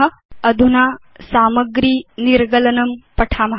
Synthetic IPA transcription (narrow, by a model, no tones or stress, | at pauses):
ɐd̪ʱuna | saːməɡɾiːniɾɡɐlɐnɐmpɐʈʰaːmɐɦ